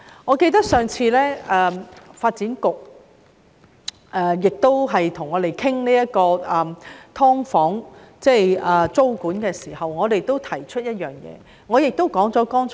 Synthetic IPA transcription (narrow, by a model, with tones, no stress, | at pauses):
ŋɔː˨˧ke˧jt̪ɐ˥k̚sœː˨ŋt͡sʰiː˧lɛː˥ɛː˧faː˧t̚t͡siː˨˥nkʊ˨k̚ | ʔɛː˧jɪ˨k̚t̪o˥wɦɐ˨jt̪ʰʊ˨˩ŋːɔː˨˧ɾe˨˩jkʰɪ˥ŋniː˥jɐ˥t̚kɔː˧ɐː˨t̪ʰɔː˥ŋfɔː˨˥ŋt͡sɛː˥˩ɐː˨t͡so˥wkuː˨˥nkɛː˧siː˨˩hɐ˨wŋɔː˨˧t̪e˨jt̪o˥wt̪ʰɐ˨˩jt͡ʃʰɵ˥t̚jɐ˥t̚jœː˨˩ŋjɛ̰ː˨˧ | ŋɔː˨˧jɪ˨k̚t̪o˥wkɔː˨˥ŋt͡sɔː˨˥kɔː˥ŋt͡s